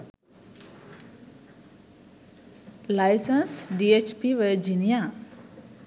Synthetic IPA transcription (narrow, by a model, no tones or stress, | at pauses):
lajsənsɖiet͡ʃpiʋəd͡ʒinijã